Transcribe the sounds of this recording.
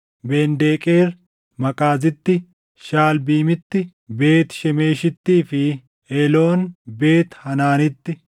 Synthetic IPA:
beːnd̪eːkʼe̞ːɾ | mɐkʼaːzɪt̪ːɪ | ʃaːlbiːmɪt̪ːɪ | be̞ːt̪ʃɛme̞ːʃɪt̪ːiːfɪ | ɛlo̞ːnbe̞ːt̪hɐnaːnɪt̪ːɪ

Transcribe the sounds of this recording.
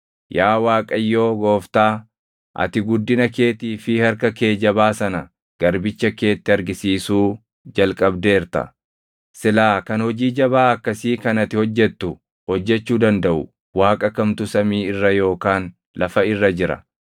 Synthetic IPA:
jaːwaːkʼɐjːo̞ːɡo̞ːft̪aː | ʔɐ̰t̪ɪɡʊd̪ːɪnɐke̞ːt̪iːfɪhɐɾkɐke̞ːd͡ʒɐbaːsɐnɐ | ɡ̥ɐɾbɪt͡ʃːɐke̞ːt̪ːɛɐɾɡɪsiːsuː | d͡ʒɐlkʼɐbd̪e̞ːɾt̪ɐ̰ | sɪlaːkɐnhɔd͡ʒiːd͡ʒɐbaːɐkːɐsiːkɐnɐt̪ɪhɔd͡ʒːɛt̪ːʊ | hɔd͡ʒːɛt͡ʃːuːd̪ɐnd̪ɐʔʊ | waːkʼɐkɐmt̪ʊsɐmiːɪrːɐjo̞ːkaːn | lɐfɐɪrːɐd͡ʒɪɾɐ̰

